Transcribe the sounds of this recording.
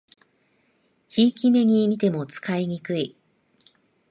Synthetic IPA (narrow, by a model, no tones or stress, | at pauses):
çiːkʲime̞ɲ̟imʲit̪e̞mo̞t͡sɨ̥kaiɲ̟ikɯi